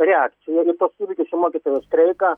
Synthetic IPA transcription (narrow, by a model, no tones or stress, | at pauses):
ɾʲɛakt̪sʲɪjɛɪt̪ɐsuːʋʲikʲɪsʲɪmoːkʲɪt̪oːjɛst̪ɾʲɛɪkɐ